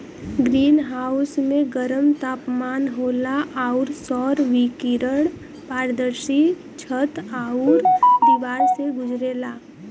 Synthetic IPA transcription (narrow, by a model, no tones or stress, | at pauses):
ɡɾiːnɦaːʊsmẽɡəɾəmt̪aːpmaːnɦoːlaʔaːʊɾsɔːɾʋikiɾəɽ | paːɾd̪əɾsi | t͡ʃʰət̪aːuɾd̪iʋaːɾseɡʊd͡ʒɾeːlaː